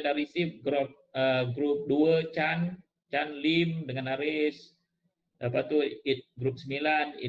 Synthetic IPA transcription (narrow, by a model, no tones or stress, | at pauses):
daɾisip̚ɡɾɔp̚əɡɾup̚duət͡ʃan | t͡ʃanlimdəŋanaɾis | dapat̪uit̪̚ɡɾup̚səmilanḭ